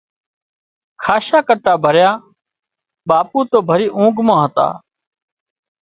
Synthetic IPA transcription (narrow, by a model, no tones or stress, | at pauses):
kʰaːʃaːkəʈ̪aːbʱəɾjaː | ɓaːpuːt̪oːbʱəɾiːʔũːɡmãːɦət̪a̰ː